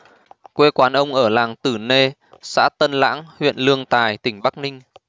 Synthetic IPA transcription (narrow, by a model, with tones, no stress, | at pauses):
kwe˧kwaː˨˦nʔə˧wŋ͡mʔəː˧˩laː˨˩ŋt̪ɨ˧˩ne˧ | sa̰ː˧˥t̪ə˧nla̰ː˧˥ŋhwḭ˧˨ənlɨ˧əŋt̪aː˨˩jt̪ï˧˩ŋ̟ɓa˦˥k̚nï˧ŋ̟